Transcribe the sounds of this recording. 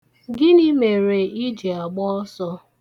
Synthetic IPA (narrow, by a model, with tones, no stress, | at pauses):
ɡɪ˦ni˦me˨ɾe˨i˦d͡ʒi˨a˨ɡ͡bɔ˦ɔ˦sɔ˦